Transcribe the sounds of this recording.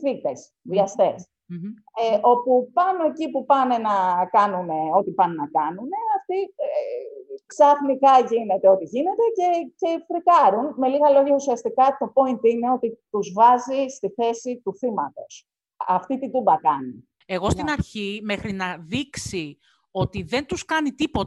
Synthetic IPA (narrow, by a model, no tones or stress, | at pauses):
θit̪e̞s | ðiɐst̪e̞s | eo̞pupɐno̞e̞cipupɐne̞nɐkɐnune̞o̞t̪ipɐnenɐkɐnune̞ɐft̪ie | ksɐθnikɐʝine̞t̪e̞o̞t̪iʝine̞t̪e̞ce̞ce̞fɾikɐɾunme̞liɣɐlo̞ʝɐusiɐst̪ikɐt̪o̞po̞int̪ine̞o̞t̪it̪uzvɐzist̪iθe̞sit̪uθimɐt̪o̞s | ɐft̪it̪id̪ubɐkɐni | e̞ɣo̞st̪inɐɾçime̞xɾinɐðiksi | o̞t̪iðe̞nt̪uskɐnit̪ipo̞